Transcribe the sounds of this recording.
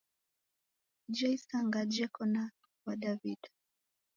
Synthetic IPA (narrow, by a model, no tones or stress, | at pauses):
d͡ʒɛjsaŋɡad͡ʒɛkɔna | wadavida